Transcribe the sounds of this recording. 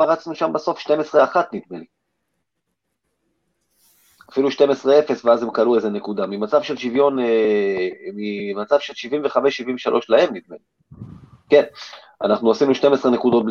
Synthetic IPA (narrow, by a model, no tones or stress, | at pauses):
aʁat͡snuʃambaso̞fʃte̞mesʁe̞aχat̪nit̪meli | afiluʃte̞me̞sʁee̞fe̞sveazemkalueze̞ne̞kud̪amimat͡savʃe̞lʃivjo̞ne | mimat͡savʃelʃivimve̞χameʃːivimveʃalʔo̞ʃlahe̞mnit̪meli | ke̞n | a̰naχnuosinuʃte̞mesʁenekud̪o̞t̪̚bl